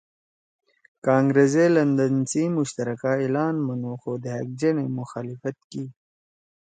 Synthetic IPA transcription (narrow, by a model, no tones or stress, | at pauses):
kãːŋɡɾezelɐnd̪ənsimʊɕt̪ɐɾɐkailaːnmɐnoxoːd̪eɦɐk̚d͡ʒenemʊxaːlifɐt̪̚ki